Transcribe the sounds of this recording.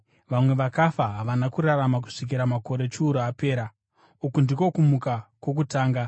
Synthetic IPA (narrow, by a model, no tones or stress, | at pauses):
ʋamwe̞ʋakafaɦaʋanakuɾaramak̬u̥ʂik̬iɾamako̞ɾe̞t͡ʃuːɾoape̞ːɾa | ukundiko̞kumukakwo̞k̬utaːŋɡa